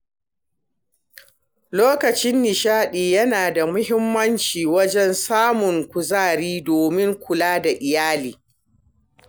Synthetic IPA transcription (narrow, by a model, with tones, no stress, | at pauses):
loː˦kɐ˨t͡ʃɪ˦nːɪ˨ʃaː˦ɗiː˨jɐ˦naː˨da˨mʊ˦hɪ˦mːɐ˦nt͡ʃiː˨wɐ˦d͡ʒɛ˦nsaː˦mʊ˨ŋkʷʊ˨zaː˦˨ɾiː˦doː˨mɪ˦ŋkʷʊ˨laː˦da˨ʔɪ˨jaː˦liː˨